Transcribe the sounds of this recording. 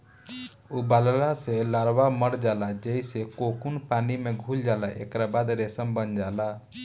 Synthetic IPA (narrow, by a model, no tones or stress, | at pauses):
uballaselaɾwaməɾd͡ʒalad͡ʒeisekokunpanimeɡʱuld͡ʒalaʔḛkɾabad̪ɾesəmbənd͡ʒala